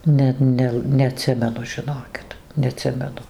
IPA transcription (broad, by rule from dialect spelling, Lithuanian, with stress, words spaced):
ˈnʲɛt ˈnʲɛlˠ nʲɛɐˈtʲsʲɪmʲɛnʊ ʒʲɪˈnoːkʲɪt nʲɛɐˈtʲsʲɪmʲɛnʊ